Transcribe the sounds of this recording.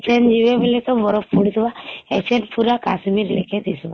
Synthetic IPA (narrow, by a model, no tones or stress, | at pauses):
t͡ʃend͡ʒiʋebelet̪ɔbɔɾɔpːuɽsʋaɛt͡ʃenpuɾakasmiɾleked̪isʋa